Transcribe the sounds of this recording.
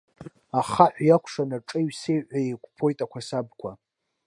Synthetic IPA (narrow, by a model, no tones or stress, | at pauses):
aχaħʷjakʷʰʂanaʈ͡ʂʼɨɥsejʕʷajekʷpʰo̞jtʼakʷasab̚kʷʰa